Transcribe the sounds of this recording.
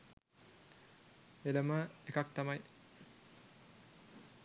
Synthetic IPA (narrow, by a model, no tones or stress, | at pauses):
eləməekak̚t̪amaj